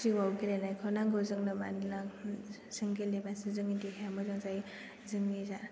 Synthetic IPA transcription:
iwawɡilenajkʰawnaŋɡɯzɯŋnɯma̰nna | sɯŋɡelebansizɯŋidiɦeamɯzɔŋzaj | zɯŋniza

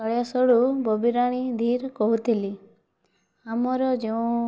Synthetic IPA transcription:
ɔɭjasɔɭubɔbiɾaɽ̃id̪ʱiɾkɔɦut̪ʰili | amɔɾɔd͡ʒeũ

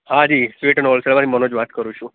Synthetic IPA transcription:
ɦad͡ʒisʋeʈənolselʋanimənod͡ʒʋat̪kəɾũt͡ʃʰũ

